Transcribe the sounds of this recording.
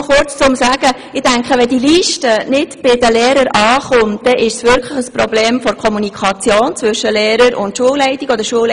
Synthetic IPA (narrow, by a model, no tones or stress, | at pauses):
χʊrt͡st͡sʊmsæːɡ̥ə | ɪd̥æŋkχəʋɛdiliːʃtənɪdb̥ɪdəleːɾəɾɑːχʊnt̚d̪̥ɛʔɪʃsʋʏɾkʰləχəsprɔbleːmfɔɾkʰɔmunikʰɑt͡sjoːnt͡sʋʏʃəlɛːɾəɾʊ̰ntʃuəllɛɪtiɡɔd̪əɾʃuəl